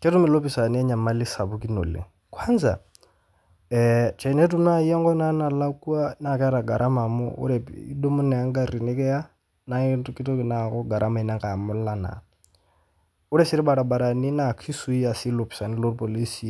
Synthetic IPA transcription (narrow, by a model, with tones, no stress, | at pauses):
kʼɛ˦tu˦mɪ˨lo˦pʰʼisa˨ni˦ja˦ɲa˨ma˦lɪ˦sa˨βu˦kʼi˦no̰˨lḛ˨ | kʰwa˦nd͡za̰˨ | t͡ʃʰɛ˨nɛ˦tu˦na˦i˦ɛ˦ŋ˦ɡɔ˦na˦na˨la˦kʼu˦a˦na˦˨kɛ˦ɾa˨ɡa˨ɾʔa˦ma˨mʊ̰˦ṵ˦ɾɛ˨ḭ˦do˦mʊ˦nɛ˨a˦ŋ˦ɡa˦ɾi˨nɛ˦kʼɛ˦a˦ | na˦itʼu˦kʼi˦tɔ˦kʼɪ˨na˨ɣʊ˦ɡa˨ɾʔa˦ma˨i˨na˦ŋkʼa˨mʊ˦lla˦na̰˨ | u˦ɾɛ˦si˦ɾi˦ba˨ɾa˨ba˨ɾa˨ni˦na˨kʰi˦su˨˦i˦a˨si˦lo˨pʰi̥˨sa˨ni˦lo˦ɾpʼo˨li˦si˨